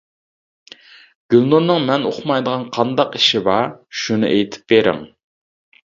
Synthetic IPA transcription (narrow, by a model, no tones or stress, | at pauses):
ɡ̥ʲylnuɾnɨŋmɛnoχmɑjd̪əʁɑnqʰɑnd̪ɑqiʃɪbɑʃunɨ̰ʔejt̪ʰɪ̥p̚beɾɪ̰m